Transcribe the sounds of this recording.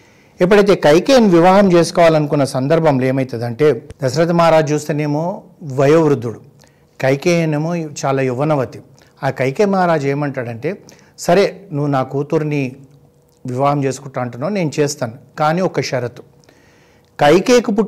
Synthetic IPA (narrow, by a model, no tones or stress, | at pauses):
ɛpːɐɽɐjt̪̬e̞ːkɐjkeːniʋiʋaːɦɐmt͡ʃe̞ːsu̥kɔːʋaːlɐnukunːɐsɐnd̪ɐɾbʱɐmle̞ːmɐjt̪ɐd̪ɐɳʈe̞ːd̪ɐsɾɐt̪ɐmaːɾaːd͡ʒt͡ʃuːst̪eːneːmoː | ʋɐjoːʋɾud̪ːuɽu | kɐjkeːneːmoːt͡ʃaːlaːjuʋɐnɐʋɐt̪i̥ | aːkɐjkeːmaːɾaːd͡ʒeːmɐɳʈaːɽɐɳʈe̞ː | sɐɾe̞ːnuʋːunaːkuːt̪uɾni | ʋiʋaːɦɐmt͡ʃe̞ːsu̥kuʈːaːɐɳʈunːaːne̞ːnut͡ʃeːst̪aːnukaːniːɔkɐʃɐɾɐt̪u̥ | kɐjkeːkupu